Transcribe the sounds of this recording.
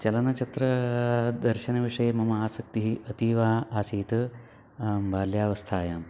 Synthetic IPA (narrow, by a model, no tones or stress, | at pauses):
t͡ʃɐlɐnɐt͡ʃɐt̪ɾɐd̪ɐɾʃɐnɐʋiʂɐjemɐmɐaːsɐk̚t̪iɦiʔɐt̪iːʋaːaːsiːt̪ɐ | mʋaːljaːʋɐst̪ʰaːjaːm